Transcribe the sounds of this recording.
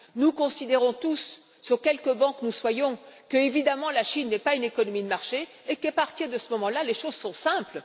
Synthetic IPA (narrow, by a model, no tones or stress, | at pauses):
nukɔ̃sid̪eʁɔ̃t̪usː | yʁkʲɛlkəbɑ̃knuswajɔ̃kəevid̪amɑ̃laʃinːɛpaynekɔnɔmid̪əmaʁʃeː | kapaʁt̪iʁd̪əsəmɔmɑ̃laleʃozsɔ̃sɛ̃pl